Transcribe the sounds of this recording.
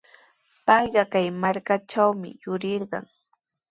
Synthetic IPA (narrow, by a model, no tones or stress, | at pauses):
pɑjɢɑkajmaɾkat͡ʃawmɪ̰jʊɾɪɾɢɑ̰ŋ